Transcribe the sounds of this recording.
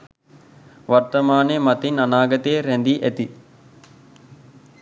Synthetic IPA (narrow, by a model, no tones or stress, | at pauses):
ʋart̪ɐmaːnemɐt̪inanaːɡɐt̪eːɾɛnd̪iʔæt̪i